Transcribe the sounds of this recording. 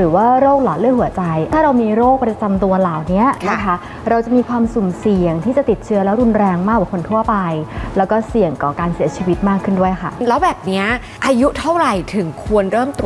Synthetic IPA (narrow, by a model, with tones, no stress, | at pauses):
ɾɯː˨˩˦waː˥˩ɾoː˥˩k̚lɔː˨˩t̪̚lɤː˥˩ɦu˩˦ɐt͡ɕa˧jt̪ʰaː˥˩ɾa˧wmiː˧ɾoː˥˩k̚pɾa˧t͡ɕa˧mt̪u˧ɐlaː˨˩˦wni˦˥ɐna˦˥kʰa˦˥ | ɾa˧wt͡ɕa˨˩miː˧kʰwaː˧msu˨˩msi˨˩əŋt̪ʰiː˥˩t͡ɕa˨˩t̪i˨˩t̪̚t͡ɕʰɯ˦˥ɐ˥lɛː˦˥wɾu˧nɾɛː˧ŋmaː˥˩kwaː˨˩kʰo˧nt̪ʰu˥˩əpa˧jlɛː˦˥wkɔː˥˩si˨˩əŋkɔː˨˩kaː˧nsiː˨˩˦ɐt͡ɕʰiː˧wi˦˥t̪̚maː˥˩kʰːɯ˥˩ndu˥˩əjkʰa̰˥˩lɛː˦˥wbɛː˨˩p̚ni˦˥ɐ | ʔaː˧ju˦˥t̪ʰa˥˩wɾa˨˩jt̪ʰɯ˨˩˦ŋkʰu˧ənɾɤː˥˩mt̪ɾu˨˩